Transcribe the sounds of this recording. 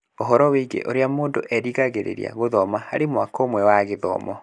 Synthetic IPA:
oɦɔɾɔweiɡḛʔoɾeamoːndoʔɛɾiɣaɣeɾḛɾj̰a̰ɣoðɔmahaɾemwakoːmwɛwaɣeðɔ̰ːmɔ

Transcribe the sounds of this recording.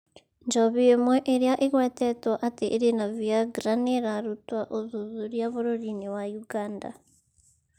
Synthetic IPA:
ɲd͡ʒɔβiemwɛʔeɾjaʔeɣwɛtɛtwaʔateʔeɾenaviaɡɾaneɾaɾutwaʔoðuðuɾjaβoɾoɾiniwajuɡaːnda̰

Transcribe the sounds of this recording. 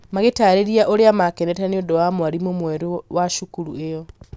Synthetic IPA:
maɣetaːɾeɾiaʔoɾeamakɛnɛtɛneondowamoaɾimomwɛɾewaʃukuɾuejɔ

